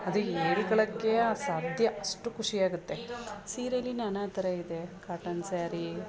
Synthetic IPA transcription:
ɐd̪ueːɽiɡɐɭɐkːe̞aːsaːd̪ʱjɐʔɐʂʈukʰuʂijaːɡut̪ːe̞siːɾɐlːinɐnaːt̪ɐɾɐid̪e̞kaːʈɐnsaːɾi

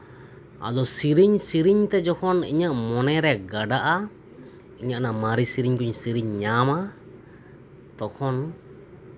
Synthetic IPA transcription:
a̰d̪ɔsiɾiɲsiɾiɲt̪ɛd͡ʒɔkʰɔnḭɲaʔmɔnɛɾɛɡaɖaʔa | iɲaʔnamaɾisiɾiɲkuɲsiɾiɲːama | t̪ɔkʰɔn

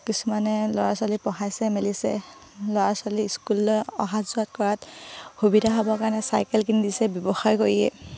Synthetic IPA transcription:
kisumanɛlɔɹasalipɔɦajsɛmelisɛ̰ | lɔɹasaliːskulɔ̰ɦatzuatkɔɹatxubidʱaɦɔbɔkanɛsajkɛlkinidisɛbjɔbɔxajkoɹiɛ̰

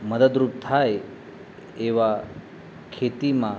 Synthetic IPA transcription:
məd̪əd̪ɾup̚t̪ʰaj | eʋa | kʰet̪imã

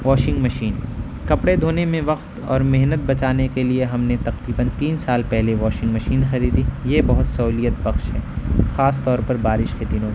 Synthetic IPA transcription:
ʋɔːʃɪ̃ŋɡmɐʃiːn | kɐpɽed̪ʱoːnemẽʋɐqt̪ɔ̰ːɾmeɦnət̪̚bɐt͡ʃaːnekelieɦɐmnet̪ɐqɾiːbənt̪iːnsaːlpɛɦleʋɔːʃɪ̃ŋɡmɐʃiːnxɐɾiːd̪ijebɐɦʊt̪sɐɦuːlijət̪̚bɐxʃɦɛ̰ːxaːst̪ɔːɾpɐɾbaːɾɪʃked̪inõː

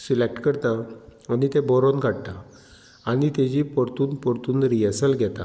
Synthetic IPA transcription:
silek̚ʈkəɾt̪ãənit̪ɛ̃bɔɾɔnɡʱaɽt̪a | aɽit̪ẽd͡ʑipɔɾt̪uːnpɔɾt̪uːnɾiəsəlɡʱɛt̪a̰

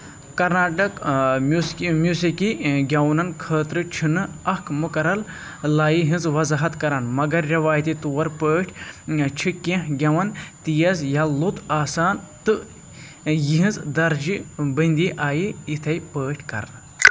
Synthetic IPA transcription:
kɐɾnaːʈɐk | mjuːsikiɡʲɐwnɐnkʰəːt̪ɾɨt͡ʃʰinɨɐkʰmukɐɾɐllaːjiɦĩnzʋɐzɐɦɐt̪kɐɾɐnmɐɡɐɾːɐʋaːjt̪it̪uːɐɾpəːʈʰʲt͡ʃʰikẽɦɡʲɐʋɐnt̪ijɐsjalut̪aːsaːnt̪ɨ | jiɦĩnzd̪ɐɾd͡ʒibɐnd̪iʔaːjiit̪ʰɐjpəːʈʲʰkɐ̰ɾn

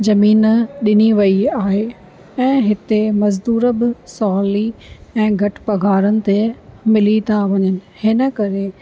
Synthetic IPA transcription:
zɐmiːnɗɪniʋɐiaːɦe | ɛ̃ːɦɪt̪emɐzd̪uːɾəbɪsɔːliɛ̃ːɡʱɐʈpɐɡʱaːɾənɪ̆t̪emɪlit̪ʰaʋɐɲənɪ̆hɪnəkɐɾe

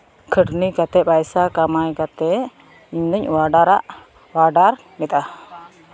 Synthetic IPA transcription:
kʰəɖnikat̪ɛpajsakamajkat̪ɛ | iɲdəɲwaɖaɾaʔ | waɖar | nit̪a

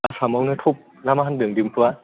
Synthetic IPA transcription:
asʰamawnɯt̪ʰop̚ | lamaɦandɯŋdimtʰua

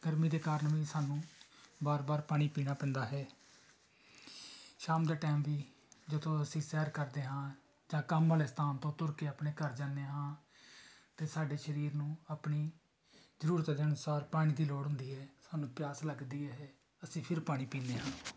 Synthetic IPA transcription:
ɡ̥əɾmiːd̪eːkaːɾəɳʋiːsaːnũːbaːɾbaːɾpaːɽ̃iːpiːnaːpɛ̃ːnd̪aːɦɛː | ʃaːmd̪aːʈɛːmʋiː | d͡ʒot̪ʰõːəsĩːsɛːɾkəɾd̪eːɦãː | d͡ʒãːkəmʋaːleːst̪aːnt̪õːt̪ʊɾkeːəpɳeːkəɾd͡ʒãːneːɦãː | t̪eːsaːɖeːʃəɾiːɾnũːaːpɳiː | zəɾuːɾət̪ːd͡ʒənʊsaːɾpaːɽ̃iːd̪iːloːɽɦʊ̃nd̪iːɦɛːsaːnũːpɪjaːsləɡd̪iːɛɦɛː | əsĩːpʰɪɾpaːɽ̃iːpiːneːɦãː

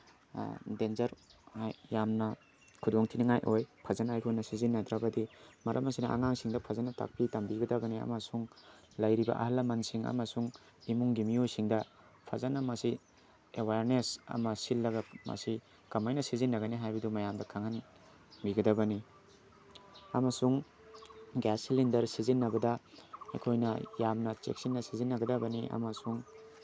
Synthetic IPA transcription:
denzɐɾhajjamnɐ | kʰudoŋtʰiniŋajʔojpʰɐzanajkʰonɐsizinːɐd̪ɾabɐdimɐɾʔɐmɐsinɐʔa̰ŋaŋsiŋdɐpʰɐzanɐta̰k̚pitambiɡɐdɐɡɐniɐ̰mɐsuŋ | lɐjɾibɐ̰ʔɐ̰ɦɐlːɐmɐnsiŋɐ̰mɐsuŋ | imuŋɡimijujsiŋdɐ | pʰɐzanɐmɐsi | ewaɾnesɐ̰mɐsilːɐɡɐmɐ̰si | kɐmajnɐsizinːɐɡɐniɦajbɐdumɐjamdɐkʰaŋhan | biɡɐdɐbɐni | ɐmɐsuŋ | ɡɛsilindɐɾsizinːɐbɐdɐḛkʰojnɐjamnɐt͡ʃḛk̚sinːɐsizinːɐɡɐdɐbɐniʔɐ̰mɐsuŋ

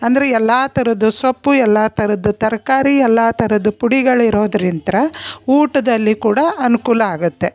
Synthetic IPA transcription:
ɐnd̪ɐɾeɛlːaːt̪ɐɾɐd̪usɐpːuɛlːaːt̪ʰɐɾɐd̪ut̪ɐɾɐkaːɾiɛlːaːt̪ɐɾɐd̪upuɽiɡɐɭiɾo̞ːd̪ɐɾint̪ɐɾɐuːʈɐd̪ɐlːikuːɽɐʔɐnukuːlɐaːɡut̪ːe̞

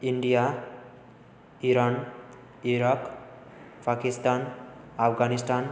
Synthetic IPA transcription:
iɳɖija | iɾan | iɾak | pakist̪anapʰɡanisʈan

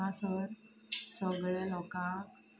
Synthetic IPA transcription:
ãsəɾ | səɡɭɛlɔkã

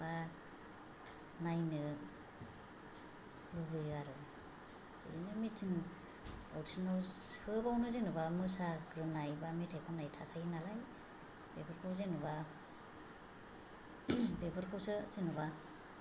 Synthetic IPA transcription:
b̥a | najnɯ | lubɯjaɾɯ | bɯzɯnɯmitʰɯn | ɔ̰wtʰsinawskʰɯbawnɯzenɯbamɯsaɡɾɯnajbamitʰekʰanajtʰakʰajnalaj | b̥ebɯɾkʰɯwzenuba | bebɯɾkʰɯwsɯzenuba

